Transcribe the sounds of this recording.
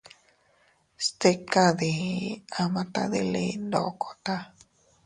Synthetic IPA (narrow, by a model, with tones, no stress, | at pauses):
st̪e˦ka˦ði˨a˨mã˦t̪a̰˦ði˧lḭ˧nd̪o̰˨kʰo˨t̪a˦